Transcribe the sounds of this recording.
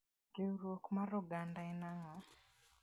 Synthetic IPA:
ɡeuɾokumaɾuɡandaenaŋa

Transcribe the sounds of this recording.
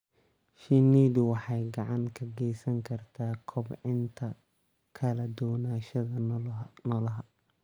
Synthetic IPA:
ʃɪniːðʊwɑħɑjɡɑʕɑŋkʰɐɡɛjsɐŋkʰɐrt̪ʰaːkʰɔbʕɪnt̪ʰɐ | kʰɐlɐd̪ɔːnaːʃɐðɐnɔlɐɦɐ

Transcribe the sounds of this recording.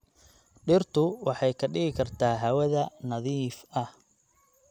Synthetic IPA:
ɖɪrt̪ʰʊwɑħɑjkʰɐɖɪɣɪkʰɐrt̪ʰaːɦɐwɐðɐnɐðiːfɐh

